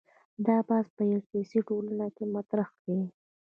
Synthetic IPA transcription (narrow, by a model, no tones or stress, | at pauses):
d̪ɑbɑzpəjakesiʈolanakemat̪ɾaxɡai